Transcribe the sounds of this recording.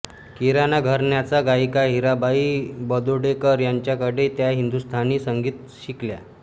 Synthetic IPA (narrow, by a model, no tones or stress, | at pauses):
kiɾanaɡʱəɾɳjat͡saɡajkaɦiɾabaiːbəd̪oɽekəɾjaɲt͡ɕjakəɽet̪jaɦind̪ust̪ʰaniːsəŋɡiːt̪ | ɕiklja̰